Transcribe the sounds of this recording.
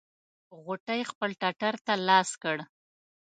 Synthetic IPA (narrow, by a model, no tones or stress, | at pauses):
ɣoʈajxpəlʈaʈaɾt̪alɑskəɽ